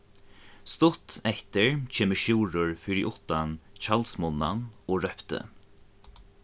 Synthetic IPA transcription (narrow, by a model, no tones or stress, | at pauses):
st̪ʊt̪ɛht̪əɹt͡ʃʰeːməʃjuːɾʊɹfɪɾiʔʊht̪ant͡ʃalsmʊnːa̰nɔɾœpt̪ə̰